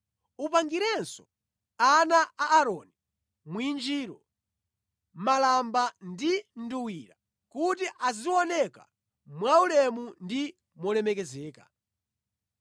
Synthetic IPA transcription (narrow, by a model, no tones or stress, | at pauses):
upaŋɡiɾɛnsɔ | anaaʔːɾɔni | mwind͡ʒiːɾɔ | malambandin̩duwiːɾa | kut̬iʔaziwɔnɛka̰ | mwaulɛmundi | mɔlɛmɛkɛzɛːka